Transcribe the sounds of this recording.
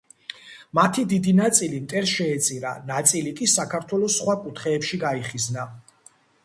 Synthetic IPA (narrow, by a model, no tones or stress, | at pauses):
mat̪ʰid̪id̪inat̪sʼilimt̪ʼɛɾsʃɛːt̪sʼiɾa̰nat̪sʼilikʼisakʰaɾt̪ʰwɛlɔsχwakʼut̪ʰχɛːpʃiɡaiχizna